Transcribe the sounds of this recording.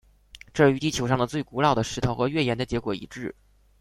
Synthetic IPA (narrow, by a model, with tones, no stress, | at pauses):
ʈ͡ʂɤ˥˧y˧˥t̪i˥˩t͡ɕʰjo˧˥ʊʂɑ˥˩ŋd̪ə˩t͡swe˥˩ɪku˧˥lɑ˥˩ʊd̪ə˩ʂɻ̩˧˥t̪ʰo˧˩ʊxɤ˧˥ɥɛ˥˩jɛ˧˥nd̪ə˧˩t͡ɕjɛ˧˥kwɔ˨˩ḭ˨˩ʈ͡ʂɻ̩˥˩